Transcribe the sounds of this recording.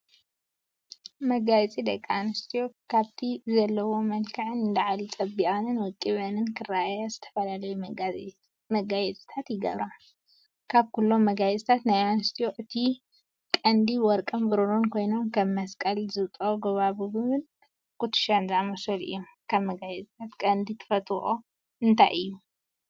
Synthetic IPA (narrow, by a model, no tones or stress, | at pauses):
mɐɡajt͡sʼid̪ɐkʼːaanɨst̪ʰijokʰaβt̪ʰizɐlːɐwo̞mɐlkʰɐʕɨnɨnd̪ɐʕalit͡sʼɐbiʔʼɐnɨnwʊkʼːiβɐnɨnkʰɨɾajazɨt̪ʰɐ̥fɐlalɐju | mɐɡajɛt͡sʼi̥t̪ʰat̪jɪɡɐ̰βɾa | kʰaβkʰulːo̞mːɐɡajɛt͡sʼt̪ʰat̪najanɨst̪ʰioʔɨt̪ʰi | kʼɐnd̪iwɔɾkʼɐmbɨɾoɾonkʰo̞jno̞nkʰɐβmɐskʼɐlzɨβt̪ʼoɡɐβaβuɡɨβɨn | kʰʼut̪ːɨ̥ʃanzɨamɐsɐlɨ̰jːom | kʰaβmɐɡajɛt͡sʼt̪ʰat̪kʼɐnd̪it̪ʰɨ̥fɐt̪ʼuxo | ɨnt̪ʰa̰jʔɨjːu